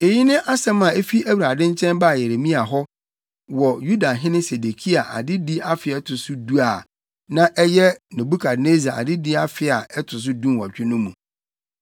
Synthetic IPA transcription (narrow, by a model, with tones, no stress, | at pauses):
e˨ji˦nɪ̃˦ʔa˦sɛ̃˦mã˨e˦fi˦æ˦wu˨ɾa˨dɪ̃˦ɲ˦t͡ɕʰɛ̃˦nba˦˨je˨ɾe˨mĩ˦a˨ɦɔ˦ | wɔ˨ju˦da˨ɦɪ̃˦nɪ̃˦se˨de˨kʰi˦a˨ʔa̰˨dɪ˦di˦a˦fɪ˨ɛ˦tʰʊ˨sʊ˦du˦a˨ | nã˦ʔɛ˦jɛ˦nɪ̃˨bu˦kʰa˨dne˦zi˨a˨ʔa̰˨dɪ˦dɪ˦a˦fɪ˨a˨ɛ˦tʰʊ˨s̬ʊ˦dũ˦nwɔ˨t͡ɕᶣɪ˦nʊ̃˦mṵ̃˨